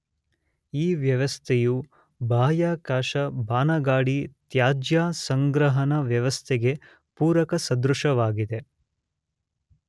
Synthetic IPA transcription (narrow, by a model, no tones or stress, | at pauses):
iːʋjɐʋɐst̪ʰeju | bʱaːjaːkaːʃɐbʱaːnɐɡaːɽit̪jaːd͡ʒjaːsɐŋɡɾɐɦɐnɐʋjɐʋɐst̪ʰɛɡe̞ | puːɾɐkɐsɐd̪ɾuʂɐʋaːɡid̪e̞